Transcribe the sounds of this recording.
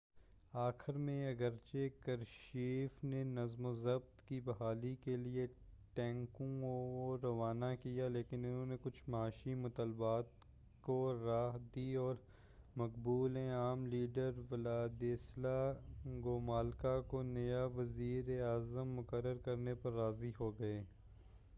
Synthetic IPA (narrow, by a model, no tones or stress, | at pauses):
aːxɪɾmẽɐɡəɾt͡ʃekɐɾʃiːfnenɐzmozɐb̚t̪kibɐɦaːlikelieʈɛ̃ːŋkũɾɐʋaːnakijaleːkɪnʊnɦõːnekʊt͡ʃʰmaːʃimʊt̪əlbaːt̪ | koɾaːɦd̪iɔːɾ | mɐqbuːlɦɛ̃aːmliːɖəɾʋɪlaːd̪eːslaɡoːmaːlkakonɐjaʋɐziːɾeaːzəmːʊkəɾːəɾkɐɾnepɐɾːaːziɦoɡɐeː